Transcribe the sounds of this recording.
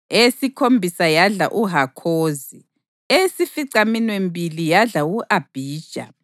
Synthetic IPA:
esikʰombʱisajaɮa̰ʔuɦakʰoːzi | esifiǀaminwembʱilijaɮauʔab̥ʱiːd̥ʒ̥ʱa̰

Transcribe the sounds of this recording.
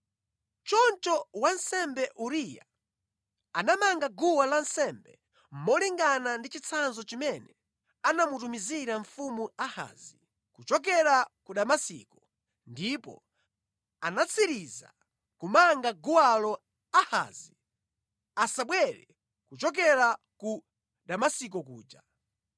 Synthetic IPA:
t͡ʃɔnt͡ʃɔwansɛmbɛʔuɾija̰ | anamaŋɡaɡuwalansɛmbɛ̰ | m̩mɔliŋɡanandit͡ʃit͡sʰanzɔt͡ʃimɛnɛ | anamutumiziɾaɱfumuaha̰ːzi | kut͡ʃɔk̬ɛɾakuɗamasḭkɔ | ndipɔ̰ | anat͡sʰiɾiza | kumaŋɡaɡuwalɔ | aha̰ːzi | asaɓwɛɾɛ̰ | kut͡ʃɔk̬ɛɾa | ku | ɗamasik̬ɔkṵːd͡ʒa

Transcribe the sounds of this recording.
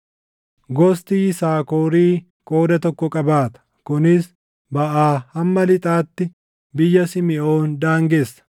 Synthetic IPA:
ɡɔst̪iːsaːkoːɾiː | kʼo̞ːd̪ɐt̪ɔkːɔkʼɐbaːt̪ɐ̥ | kʊnɪs | bɐʔaːhɐmːɐlɪt̪ʼaːt̪ːɪ | bɪjːɐsɪmɪʔoːnd̪aːŋɡesːɐ̥

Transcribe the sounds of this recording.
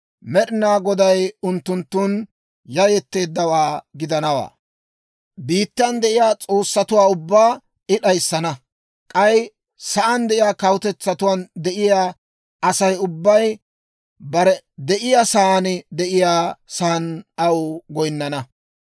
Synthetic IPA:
mɛɗɪnaːɡɔd̪ɐjʊnt̪ːʊnt̪ːʊn | jɐjɛt̪ːe̞ːd̪ːɐwaːɡɪd̪ɐnɐwa̰ː | biːt̪ːɐnd̪ɛʔɪjaːt͡sʼo̞ːsːɐt̪ʊwaːʊbːaː | ɪɗɐjsːɐnɐ | kʼɐj | sɐʔɐnd̪ɛʔɪjaːkɐwʊt̪ɛt͡sːɐt̪ʊwaːnd̪ɛʔɪjaː | ɐsɐjʊbːɐj | bɐɾɛ | d̪ɛʔɪjaːsɐand̪ɛʔɪjaːsɐnɐwʊɡɔjnːɐnɐ

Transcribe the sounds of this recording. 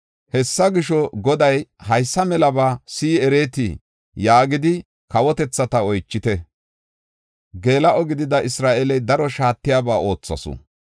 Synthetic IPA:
hɛsːɐɡɪʃɔɡɔd̪ɐjhɐjsːɐmɛlɐbaːsiːɛɾeːt̪i | jaːɡɪd̪ɪ | kɐwɔt̪ɛt͡sːɐt̪ɐɔjt͡ʃːɪt̪ɛ | ɡe̞ːlɐʔɔɡɪd̪ɪd̪ɐʔɪsɾaːʔɛlɛjd̪ɐɾɔʃaːt̪ːɪjaːbaːo̞ːt͡sːɐ̰sɔ̰

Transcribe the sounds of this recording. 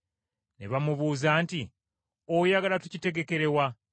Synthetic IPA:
nḛβamuβuːzaːnti | ojaɡalatucite̞ɡe̞ke̞ɾe̞wa

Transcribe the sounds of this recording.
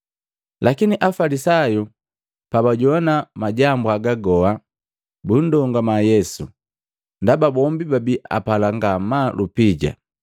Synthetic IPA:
lʔakiniʔafalisaju | pabaɟɔnamaɟambuaɡaɡɔa | bun̩dɔŋɡamajɛsṵ | ndababɔmbibabiʔa̰palaŋɡamalupiɟa̰

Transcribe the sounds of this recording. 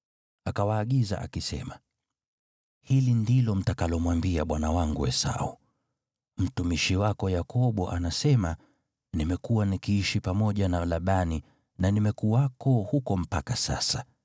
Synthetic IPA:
akawaːɠiza̰ʔa̰kisɛ̰ma | hilindilɔm̩takalɔmwambiaɓwanawaŋɡuɛ̰sa̰ṵ | m̩tumiʃiwakɔjakɔɓɔʔanasɛma | nimɛkuwanikiiʃipamɔʄanalaɓani | nanimɛkuwakɔhukɔm̩pakasa̰sa

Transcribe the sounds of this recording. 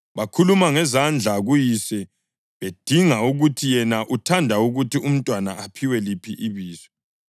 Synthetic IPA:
βakʰulumaŋɛzand͡ɮʱaɣujisɛ | βed̥ʱiŋauɣutʰijɛnaʔutʰandʱauɣutʰium̩tʼwanaapʰiwɛlipʰiʔiβiːsɛ̥

